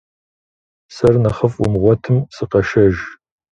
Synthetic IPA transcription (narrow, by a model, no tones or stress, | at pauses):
sɐrnɐχəfʊ̰mʁʷɔtʰɨmsɨqɐʃɐʒ